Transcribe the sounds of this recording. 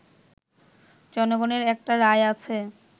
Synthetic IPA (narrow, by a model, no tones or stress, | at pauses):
d͡ʑɔnoɡoneɾɛk̚ʈaɾaeat͡ɕʰe